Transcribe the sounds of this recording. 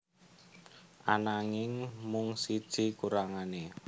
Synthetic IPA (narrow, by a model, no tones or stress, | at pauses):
ʔa̰naŋɪŋmʊŋsid̥ʒ̥i̤kuɾaŋane